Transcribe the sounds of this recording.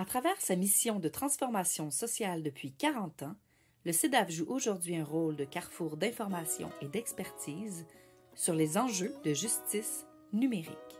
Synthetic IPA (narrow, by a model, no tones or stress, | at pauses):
at̪χavɛːʁsamisjɔ̃d̪ət̪χɑ̃sfɔʁmasjɔ̃sɔsjald̪əpɥikaʁɑ̃t̪ɑ̃ | ləsed̪avʒuʔoʒuʁd̪ɥiɛ̃ʁold̪əkʲaʁfuːʁd̪ɛ̃fɔʁmasjɔ̰̃ed̪ɛkspɛʁt̪ʰiːz | syʁlezɑ̃ʒød̪əʒyst̪is | nymeʁḭk